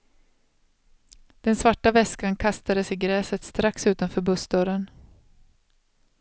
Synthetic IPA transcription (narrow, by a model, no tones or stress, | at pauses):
d̪̥ɛnsvaʈːavɛskankʰast̪ad̪əsɪɡɾɛːsət̪st̪ɾaksʉ̟ːt̪anfœːɾbɵsd̪œɾən